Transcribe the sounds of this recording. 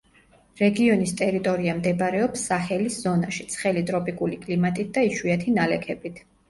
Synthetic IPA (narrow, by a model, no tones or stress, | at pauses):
ɾɛɡiɔnist̪ʼɛɾit̪ʼɔɾiamd̪ɛbɾɛɔpsːaχɛliszɔnaʃi̥t̪sʰχɛlit̪ʼɾɔpʼikʼulikʼlimat̪ʼit̪̚d̪aiʃwiat̪ʰinalɛkʰɛbit̪ʰ